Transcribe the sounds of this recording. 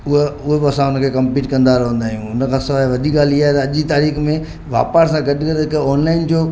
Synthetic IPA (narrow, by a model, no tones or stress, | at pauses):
ʊɦeʊɦebɪɐsãʊnəkʰekɐ̃mpiːʈkɐ̃nd̪aɾɐɦə̃nd̪aːɦijũʊnəkʰãːsɪʋaːɦeʋɐd̪ʱiːk̚ɡaːliaːet̪ɐɐʄit̪aːɾiːxmẽ | ʋa̰ːpəɾsãɡɐɗɪkɐɾeɪkɔːnlaːɪnd͡ʑoː